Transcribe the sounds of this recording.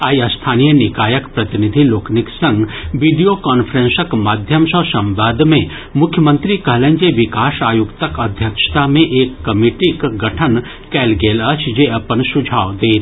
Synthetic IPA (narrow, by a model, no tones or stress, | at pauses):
aːjəst̪ʰaːnijənɪkaːjəkpɾɐt̪ɪnid̪ʱiloːknɪksɐ̃ŋɡʋiːɖijokaːnfəɾẽnsəkmaːd̪ʱjəmsɔsɐ̃mbaːd̪ʱmẽ | mʊkʰjəmə̃nt̪ɾikɐɦlẽnd͡ʒeʋɪkaːʃaːjʊkt̪ɐkɐd̪ʱjəkʃə̥t̪amẽʔeːkːɐmiʈikɡɐʈʰən | kɛːlɡeːlɐt͡ʃʰd͡ʒeɐpənsʊd͡ʒʱaːʋd̪eːt̪